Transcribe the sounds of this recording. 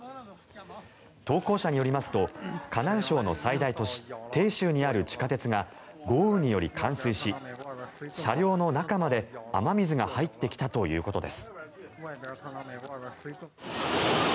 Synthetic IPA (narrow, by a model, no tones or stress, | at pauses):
t̪o̞ːko̞ːɕaɲ̟ijo̞ɾʲimasɨ̥t̪o̞kanãɰ̃ɕo̞ːno̞said̪ait̪o̞ɕi̥t̪e̞ːɕɨːɲ̟iaɾɯ̟t͡ɕi̥kat̪e̞t͡sɨɡa | ɡo̞ːɯɲ̟ːijo̞ɾʲikʰãɰ̃sɨiɕi | ɕaɾʲo̞ːno̞nakamad̪e̞a̰mamʲizɨɡahait̪ːe̞kʲi̥t̪at̪o̞jɯ̟̰ːko̞t̪o̞d̪e̞̰sɨ̥